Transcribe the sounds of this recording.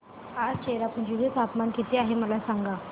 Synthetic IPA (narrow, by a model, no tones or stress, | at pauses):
kaɾt͡ɕeɾapəɳd͡ʑuɦet͡sapmankit̪iːaɦeməlasaŋɡa